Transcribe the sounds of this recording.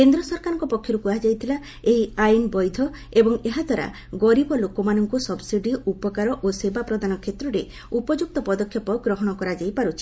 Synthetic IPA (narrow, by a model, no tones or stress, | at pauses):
kend̪ɾɔsɔɾkaɾɔ̃ŋkɔpɔkʰːjɔɾukuad͡ʒajt̪ʰila | eɦiajnbɔjd̪ʱɔ | ebɔŋeɦad̪ʱwaɾa̰ | ɡɔɾibɔlokɔmanɔŋkusɔbsiɖiupɔkaɾɔʔosebapɾɔd̪anɔkʰet̪ɾɔɾe | upɔd͡ʒuk̚t̪ɔpɔd̪ɔkʰjɔpɔɡɾɔɦɔɽ̃ɔkɔɾad͡ʒajpaɾut͡ʃʰi̥